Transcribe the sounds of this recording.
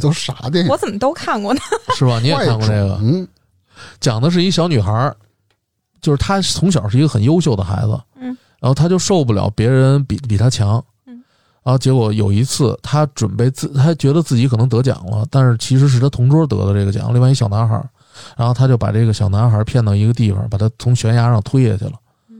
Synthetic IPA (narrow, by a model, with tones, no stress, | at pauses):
t̪o˥˩ʂa˧˥t̪i˥˩wɔ˧˦˥t͡sə˨˩nmə˦t̪o˥ʊkʰa˥˧nkwɔ˥˩nə˩ʂɻ̩˥˩bɐ˩n˧i˧˥jɛ˨˩kʰa˥˧ŋkwɔ˧ne˥˩ɪɡə̰˩ | t͡ɕjɑ˨˩ŋd̪ə˦ʂ̬ɻ̩˥˩i˥˩ɕjɑ˧˥ʊny˨˩xə˞˧˥ | t͡ɕjo˥˧ʊʂɻ̩˥˩t̪ʰa˥t͡sʰʊ˧˥ŋɕ̬jɑ˨˩ʊʂɻ̩˥˩i˧˥ɡə˧xə˨˩njo˥ʊɕjo˥˩ʊd̪ə˩xa̰˧˥ɪd͡zɹ̩ə̰˧ɻa˧˥nxt̪ʰa˥t͡ɕjo˥˧ʊʂo˥˧ʊp̬u˥˩ljɑ̰˨˩ʊpjɛ˧˥ɻə˧˥npi˨˩pi˨˩t̪ʰa˥t͡ɕʰjɑ˧˥ŋ | ɻa˧˥nxo˧˩t͡ɕjɛ˧˥kwɔ˧˥jo̰˨˩ʊi˧˥t͡sʰɹ̩˥˩t̪ʰa˥ʈ͡ʂwə̰˨˩npe˥˧ɪt͡sɹ̩˥˩t̪ʰa˥t͡ɕɥɛ˧˥d̪ə˧t͡sɹ̩˥˩t͡ɕi˧˥kʰɤ˨˩n˧˥ŋt̪ɤ˧˥t͡ɕjɑ̰˨˩ŋlə̰˦t̪a˥˧nʂɻ̩˥˩t͡ɕʰi˧˥ʂ̬ɻ̩˧˥ʂɻ̩˥˩t̪ʰa˥t̪ʰʊ˧˥ŋʈ͡ʂwɔ˥t̪ɤ̰˧˥d̪ə˧ʈ͡ʂɤ˥˩ɡə˩t͡ɕjɑ̰˨˩ŋli˥˧wa˥˧˥ɕjɑ˨˩ʊna˧˥xə̰˧˥ | ɻa˧˥nxʰa˥t͡ɕjo˥˩ʊpa̰˨˩ʈ͡ʂɤ˥˩ɡə˩ɕjɑ˨˩ʊna˧˥xə˞˧˥pʰjɛ˥˩nd̪ɑ˥˩i˧˥ɡə˧t̪i˥˩fɑ̰˨˩pa˨˩t̪ʰa˥t͡sʰʊ˧˥ŋɕɥɛ˧˥nja˧˥ʂɑ˥˧ŋt̪ʰwe˥jɛ˥˧˩ɕɛ̰˩lə̰˩